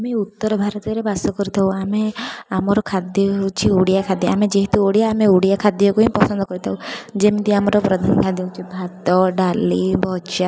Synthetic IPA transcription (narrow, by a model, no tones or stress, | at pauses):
ameut̪ːɔɾɔbʱaɾɔt̪iɔɾebasɔkɔɾut̪ʰawameamɔɾɔkʰad̪jɔt͡ʃʰiuɽijakʰad̪jɔa̰med͡ʒeɦit̪uoɽijaːmeuɽijakʰad̪jɔkuĩpɔsɔnd̪ʱɔkɔɾit̪ʰaud͡ʒemid̪iamɔɾɔpɾɔd̪ʱankʰad̪jɔt͡ʃʰibʱat̪ɔɖalibʱɔt͡ʃa